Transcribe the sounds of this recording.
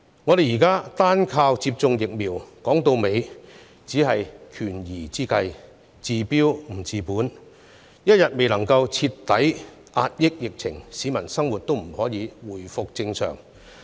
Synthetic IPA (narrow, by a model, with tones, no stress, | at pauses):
ŋɔ˨˧ɾe˨jiː˨˩kaː˥t̪aː˥nkʰaː˧wt͡siː˧p̚t͡sʊ˧ŋjɪ˨k̚miː˨˩wkɔː˨˥ŋt̪o˧wme˨˧j | t͡siː˨˥ɦɐ˨jkʰyː˨˩njiː˨˩t͡siː˥kɐ˧j | t͡siː˨piː˥wm̩˨˩t͡siː˨˧puː˨˥n | jɐ˥t̚jɐ˨t̚me˨jlɐ˨˩ŋkɐ˧wt͡sʰi˧t̪ːɐ˨˥j | ʔaː˧t̚jɪ˥k̚jɪ˨k̚t͡sʰɪ˨˩ŋsiː˨˧˥mɐ˨˩nsɐ˥ŋwuː˨˩t̚t̪o˥wm̩˨˩hɔː˨˥jiː˨˧wuː˨˩jfʊ˨k̚t͡sɪ˧ŋsœ̰ː˨˩ŋ